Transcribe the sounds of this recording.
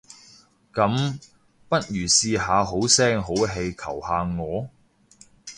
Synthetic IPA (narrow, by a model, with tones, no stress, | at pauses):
kɐ˨˥m | pɐ˥t̚jyː˨˩siː˧ɦaː˨˧ɦo˨˥wsɛː˥ŋɦo˨˥wɦe˧jkʰɐ˨˩whaː˨˧ŋɔː˨˧